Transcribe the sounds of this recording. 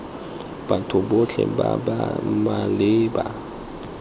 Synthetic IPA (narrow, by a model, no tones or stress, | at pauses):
b̥atʰʊbot͡ɬʰɛ̰ba̰bamalɪːba